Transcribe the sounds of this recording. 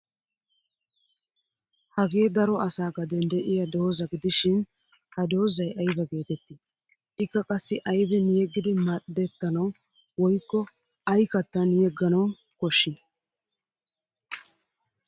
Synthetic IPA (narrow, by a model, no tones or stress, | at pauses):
hɐɡe̞ːd̪ɐɾɔɐsaːɡɐd̪ɛnd̪ɛʔɪjɐd̪o̞ːzɐɡɪd̪ɪʃɪn | hɐd̪o̞ːzɐjʔɐjbɐɡe̞ːt̪ɛt̪ːɪ | ʔɪkːɐkʼɐsːɪʔɐjbɛnjɛɡːɪd̪ɪmɐɗd̪ɛt̪ːɐnɐw | wɔjkːɔ | ɐjkɐt̪ːɐnjɛɡːɐnɐw | kɔʃːɪ